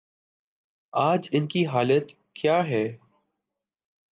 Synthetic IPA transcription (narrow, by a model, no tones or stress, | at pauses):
aːd͡ʒɪnkiɦaːlət̪ | kjaːɦɛː